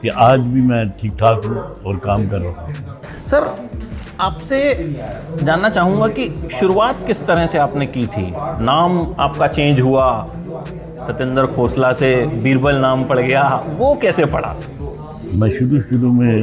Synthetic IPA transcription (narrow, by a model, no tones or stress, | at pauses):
kiʔaːd͡ʒbʱimɛ̃ʈʰiːk̚t̪ʰaːkũɔːɾkaːmkɐɾːaː | sɐɾ | aːpse | d͡ʒaːnːat͡ʃaːɦũŋɡakiʃʊɾuaːt̪kɪst̪ɐɾəseaːpnekit̪ʰḭːnaːmaːp̚kat͡ʃẽːɲd͡ʒɦua | sɐt̪ə̃nd̪əɾkʰoːslasebiːɾbəlnaːmpɐɽ̤ɡɐjaʋokɛːsepɐ̰ɽ̤a̰ː | mɛ̃ʃʊɾusɪlõmẽ